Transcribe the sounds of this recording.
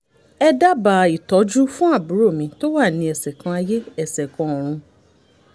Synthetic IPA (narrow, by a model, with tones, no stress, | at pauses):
ɛ˦da˦ba˨i˨tɔ˨˦d͡ʒu˦fũ˦a˦˨bu˨˦ɾo˦˨mĩ˧˦to˦wa˦˨nĩ˧ɛ˨sɛ˨kã˧a˧je˦ɛ˦˨sɛ˨kã˧˦o˨ɾ̃ũ˧